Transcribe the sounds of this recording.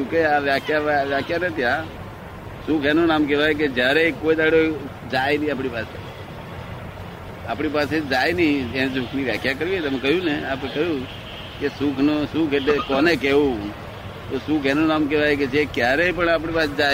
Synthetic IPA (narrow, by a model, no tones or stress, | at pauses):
t͡ʃũkeaʋjakʰjaʋjakʰjanet̪ja | sukʰɛnonaːmkɛʋajk̬ed͡ʒjaɾekoːid̪aɽo | d͡ʒaːjnĩaːpɽ̃ipaːse | aːpɽ̃ip̬aːsed͡ʒaːjnəĩes̬ukʰniʋjakʰjakəɾʋit̪ɛmẽkəɦjũneaːpekəɦjũ | kesukʰnosukʰeʈekɔːnekeũ | t̪osukʰenonaːmk̬eʋajk̬ed͡ʒekjaɾeipəɳaːp̬ɽ̃ipaːsd͡ʒa